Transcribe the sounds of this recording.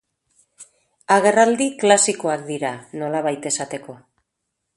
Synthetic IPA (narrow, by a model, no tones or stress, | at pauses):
aɣ̞e̞rald̪iklasiko̞ak̚d̪iɾano̞laβ̞ajt̪e̞sat̪e̞ko̞a